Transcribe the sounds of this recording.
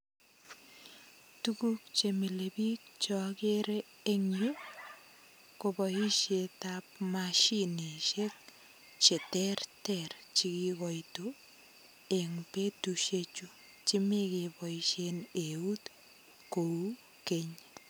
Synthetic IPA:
tukuk̚t͡ʃemilebik̚t͡ʃɔkeɾeː | ŋje | kobɔiʃetap̚maʃiniʃek̚ | t͡ʃetɛrtɛɾt͡ʃikiɡɔito | eŋpetuʃet͡ʃu | t͡ʃɪmekebɔiʃeneut | kou | keɲ

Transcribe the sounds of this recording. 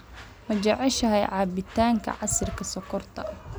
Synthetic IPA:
mɐt͡ʃɐʕɛʃɐɦɛjʕɑːbɪt̪ʰaːŋkʰɐ̰ʕɑsɪrkʰɐsɔkʰɔrt̪ʰɐ̰

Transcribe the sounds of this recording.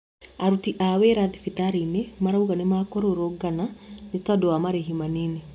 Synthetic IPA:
aɾutiʔaweɾaðifitaɾinemaɾauɣanemakɔɾoɾoɡananetadowamaɾeɦimanine

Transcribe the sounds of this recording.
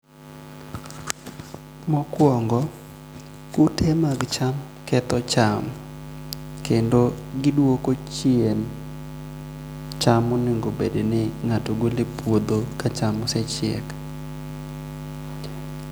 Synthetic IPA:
mɔkwɔŋɡɔ | kʊtʰɛmaɡt͡ʃam | kɛt̪ɔt͡ʃam | kendoɡɪdwokot͡ʃɪen | t͡ʃamoniŋɡobedenɪŋatoɡolɪpwod̪okat͡ʃamɔsɛt͡ʃɛ̰k

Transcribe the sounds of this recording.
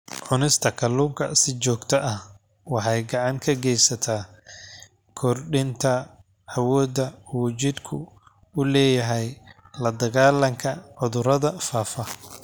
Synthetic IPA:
ʕʊnɪst̪ʰɐkʰɐluːmkʰɐ̰sɪt͡ʃɔːɡt̪ʰɐʔɐh | wɑħɑjɡɑʕɑŋkʰɐɡɛjsɐt̪ʰaː | kʰɔrɖɪnt̪ʰɐ | ɐwɔːd̪ɐuːt͡ʃɪd̪kʰʊ̰ | ʊlɛːjɐɦɛj | lɐd̪ɐɣaːlɐŋkʰɐʕʊðʊɾɐðɐfaːfɐ

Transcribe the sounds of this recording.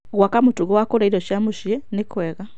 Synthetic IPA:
ɣwakamutuɣowakoɾaiɾoʃjamuʃjenekweɣa

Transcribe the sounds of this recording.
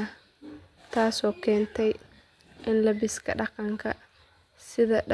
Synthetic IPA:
ɐ | t̪ʰaːsɔːkʰɛːnt̪ʰɛj | ʔɪnlɐβɪskʰɐ̰ɖɑqɑŋkʰɐ | sɪðɐ

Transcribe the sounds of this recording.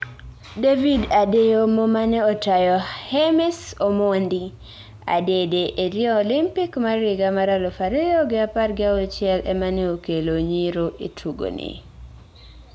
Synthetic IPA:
devidadejomomaneotajɔhɛmɛsomondi | a̰dedeʔeɾiɔːlɪmpikmaɾɪɡamaɾalofaɾɪɔɡɪaparɡɪaɔt͡ʃɛlʔɛ̰maneokeloɲiɾoʔetʰuɡo̰nɪ̰

